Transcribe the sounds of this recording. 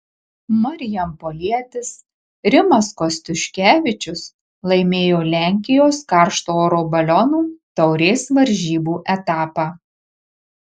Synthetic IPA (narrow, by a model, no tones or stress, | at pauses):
mɐɾʲɪjɛmpoːlʲiɛt̪ʲɪs | ɾʲɪmɐskɔsʲt̪ʲʊʃʲkʲæːʋʲɪt͡ʃʲʊs | lˠɐɪmʲeːjoːlʲæˑŋʲkʲɪjoːskɑˑɾʃt̪oːɾoːbɐlʲɔnuːt̪ɐʊɾʲeːsʋɐɾʲʒʲiːbuːʔɛt̪ɑːpɑː